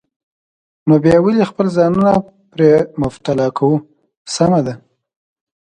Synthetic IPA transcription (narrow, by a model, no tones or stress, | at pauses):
nobjɑwəlixpəlzɑnuna | pɾemʊft̪alɑkʰawu | samad̪a